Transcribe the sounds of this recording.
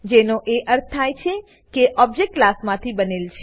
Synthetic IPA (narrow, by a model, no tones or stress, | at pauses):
d͡ʒenoʔeʔəɾt̪̚ʰt̪ʰːajt͡ʃʰe | keʔɔb̚d͡ʒek̚ʈklasmãt̪ʰibənelt͡ʃʰe